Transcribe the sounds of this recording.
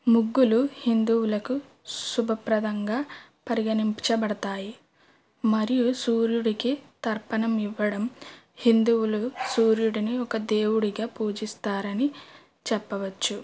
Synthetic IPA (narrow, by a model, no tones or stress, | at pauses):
muɡːuluhind̪uwulɐku | subʱɐpɾɐd̪ɐŋɡaːpɐɾiɡɐnimpit͡ʃɐbɐɽɐt̪aːji | mɐɾijusuːɾjuɽikit̪ɐɾpɐnɐmiʋːɐɽɐm | hind̪uwulusuːɾjuɽiniɔkɐd̪eːwuɽiɡaːpuːd͡ʒist̪aːɾɐni | t͡ʃɛpːɐʋɐt͡ʃːu